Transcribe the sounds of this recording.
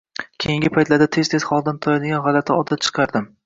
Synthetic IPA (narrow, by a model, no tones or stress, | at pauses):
kʲʰejɪŋɡʲɪpʰajt̪laɾd̪at̪ʰe̞z̥t̪ʰez̥χɒlˠd̪ant̪ʰɒjad̪ɪɡʲanʁɑlat̪ʰɪɒd̪at̪̚t͡ʃʰɨ̥qʰɑɾd̪ɪm